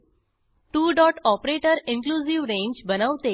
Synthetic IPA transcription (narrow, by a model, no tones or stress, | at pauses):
ʈuːɖɔːʈɔːpɾeːʈəɾɪ̃nkluːziʋɾẽːɲd͡ʒbənaʊt̪eː